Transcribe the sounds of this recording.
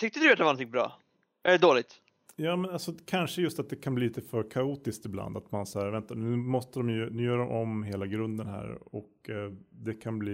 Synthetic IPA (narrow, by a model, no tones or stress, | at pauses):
t̪ʰʏkt̪əd̪ɵat̪d̪ɛvanɔnt̪ʰɪŋbɾɑ̰ː | æɖɛd̪oːlɪɡ̚t̪ | jɑːmɛnalsɔkʰanʂəjɵst̪at̪̚d̪ɛkʰanbliːliːt̪əfœɾkʰauːt̪ɪskt̪ɪbla̰nd̪a̰t̪manshæːɾvɛnt̪anʉ̟ːmɔst̪əd̪ɔmjnʉːjœːɖɔmʔɔmɦeːlaɡɾɵnd̪ənɦæ̰ːɾɔkd̪ɛkʰanbliː